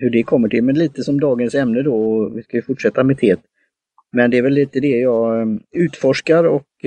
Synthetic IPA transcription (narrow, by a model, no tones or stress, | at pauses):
hɵɖɛkʰɔmːəʈʰɪlmɛnliːt̪əsɔmd̪ɑːɡənsɛmnəd̪ɔɔvɪskajɵfʊʈʂɛt̪ːamɛt̪ʰeːt̪ | mɛnd̪ɛːɾvɛlːiːt̪əd̪ɛjɑɡʉ̟ːt̪fɔʂkaɾɔk